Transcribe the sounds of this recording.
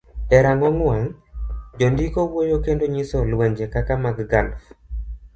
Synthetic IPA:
dɛɾaŋɔŋwaŋd͡ʒondikowojokendoɲisɔlwɛɲd͡ʒekakamaɡɡa̰lf

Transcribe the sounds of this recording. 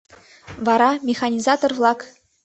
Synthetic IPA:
vɑɾɑmʲexɑnʲizɑt̪orvlˠɑk

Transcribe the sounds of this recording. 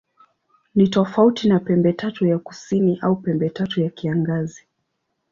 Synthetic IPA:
nitɔfautinapɛmbɛtatujaku̥siniʔaupɛmbɛtatujakiaŋɡazi

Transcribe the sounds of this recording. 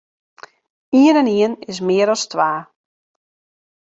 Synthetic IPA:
iənɛniənɪs̬mɪəɾɔstʋaː

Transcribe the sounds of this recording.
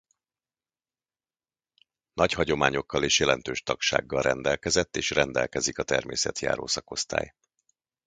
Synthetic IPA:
nʔɒchɒɟo̞maːɲo̞kːɒleːʃjɛlɛnt̪øːʃt̪ɒkʃa̰ːɡːɒlrʔɛnd̪ɛlkɛzɛt̪ːeːʃrɛnd̪ɛlkɛzikɒt̪ɛrmeːsɛ̰t̪ja̰ːɾo̰ːsɒko̞st̪a̰ːj

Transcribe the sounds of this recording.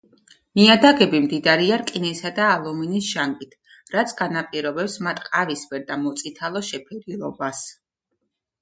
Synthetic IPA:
miad̪aɡɛbimd̪id̪aɾiaɾkʼinɛsad̪aːlˠɔminisʃaŋkʼit̪ʰ | ɾat̪sʰɡ̥anapʼiɾɔbɛpsmat̪ʼqʼavisbɛɾd̪amɔt̪sʼit̪ʰalˠɔʃɛpʰɛɾilˠɔbas

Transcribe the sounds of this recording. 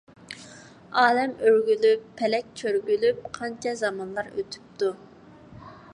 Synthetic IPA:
ɑːlɛmøɾɡʲylypʰːɛlɛk̚ʲt͡ʃʰøɾɡʲylyp̚qʰɑnt͡ʃʰɛzɑmɑnlˠɑɾø̰t̪ʰy̥p̚t̪u

